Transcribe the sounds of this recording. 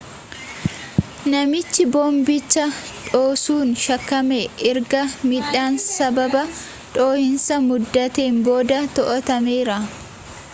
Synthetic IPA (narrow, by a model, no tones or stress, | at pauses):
nɐmɪt͡ʃːɪboːmbɪt͡ʃːɐᶑoːsuːnʃɐkːɐmeɪɾɡɐmɪᶑaːnsɐbɐbɐ | ᶑo̞ːhɪnsɐmʊd̪ːɐt̪eːmbo̞ːd̪ɐt̪ɔʔɔt̪ɐmeːɾɐ